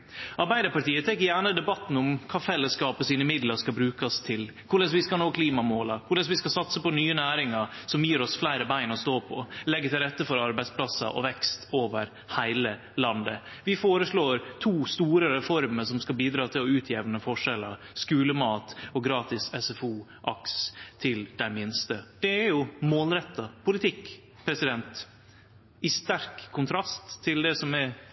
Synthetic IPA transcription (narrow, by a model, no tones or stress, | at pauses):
ʔɑɾbæɪd̪əɾpɑʈiːət̪ʰɛkːəjæːɳəd̪ɛbɑt̪n̩ɔmkʰɑːfɛlːəskɑːpəsiːnəmɪd̪ləʂkɑbɾʉːkɑst̪ʰɪl | kʰʊɭɛsʋɪskɑnoːkʰliːmɑmoːlɑkʰʊɭɛsʋɪskɑsɑt̪səpɔnyːənæːɾɪŋəsɔmjiːɾɔsflæɪɾəbæɪnɔst̪oːpʰɔ̰lɛɡːət̪ɪlɾɛt̪ːəfɔɾɑɾbæɪspʰlɑsɑ̰ʔɔ̰ʋɛkst̪ʰoːʋəɾ | hæɪlə | lɑnd̪ə | ʋɪfoːɾəsɭoːɾt̪ʰuːst̪uːɾəɾɛfɔɾməʂɔmskɑlbiːd̪ɾɑːt̪ʰɪlɔʉːt̪ʰjɛʋnəfɔʂɛlɑskʉːləmɑːt̪ɔɡɾɑːt̪ɪsɛsɛfuːʔɑkst̪ʰɪld̪̥æɪmɪnst̪əd̪̥ɛæɾjʊmoːlɾɛt̪ːɑpʰʊlɪt̪ʰɪkː | pʰɾɛsɪd̪ɛnt̪ | ɪst̪æɾkʰːʊnt̪ʰɾɑst̪ʰːɪld̪ɛsɔmɛ